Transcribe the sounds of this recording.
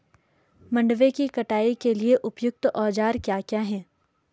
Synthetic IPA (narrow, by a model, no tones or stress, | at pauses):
mɐ̃ɳɖʋẽkikɐʈaːikelieʔʊpjʊk̚t̪ɔːd͡ʒaːɾkjaːkjaːɦɛː